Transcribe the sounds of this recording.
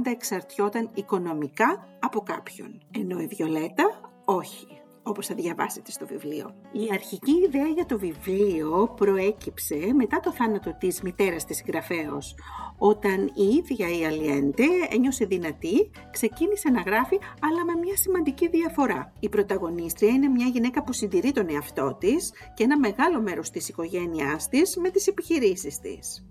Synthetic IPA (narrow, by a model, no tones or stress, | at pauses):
nd̪ɐeksɐɾt̪ço̞t̪ɐniko̞no̞mikɐɐpo̞kɐpço̞̰ne̞no̞iðʝo̞le̞t̪ɐ | o̞çi̥ | o̞po̞sθɐðʝɐvɐ̰se̞̥t̪e̞st̪o̞vivlio̞̰iɐɾçiciːðeɐʝɐt̪o̞vivlio̞pɾo̞e̞cipse̞me̞t̪ɐt̪o̞θɐnɐt̪o̞t̪izmit̪e̞ɾɐst̪isŋɡɾɐfe̞o̞̰so̞t̪ɐniiðʝɐiɐliend̪e̞ḛɲo̞se̞ðinɐt̪i | kse̞cinise̞nɐɣɾɐfiɐlɐme̞mɲɐsimɐnd̪iciðiɐfo̞ɾɐ̰ipɾo̞t̪ɐɣo̞nist̪ɾiɐine̞mɲɐʝine̞kɐpusind̪iɾit̪o̞neɐft̪o̞t̪is | ceenɐme̞ɣɐlo̞me̞ɾo̞st̪isiko̞ʝe̞niɐst̪izme̞t̪ise̞piçiɾisist̪ḭs